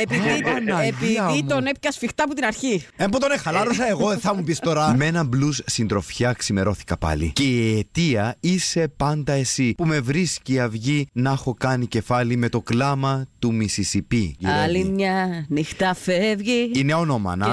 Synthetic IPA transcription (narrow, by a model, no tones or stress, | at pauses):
epiinɐeiionepcɐsfixt̪ɐput̪inɐɾçiembot̪onexɐlɐɾosɐe̞ɣo̞θɐmupistt̪o̞ɾɐmeenɐmblussind̪ɾo̞fçɐksime̞ɾo̞θi̥kɐpɐ̰lḭce̞iet̪iɐise̞pɐnd̪ɐe̞sipume̞vɾisciɐvʝinɐxo̞kɐnice̞fɐlime̞t̪o̞klɐmɐt̪umisisipiiɐlimɲɐnixt̪ɐfevʝiineo̞no̞mɐ̰nɐ